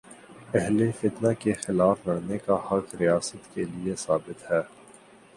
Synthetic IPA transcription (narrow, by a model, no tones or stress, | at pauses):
ɛɦlefɪt̪nakexɪlaːfɾɐɽnekahɐkɾijaːsət̪keliesaːbɪt̪hɛː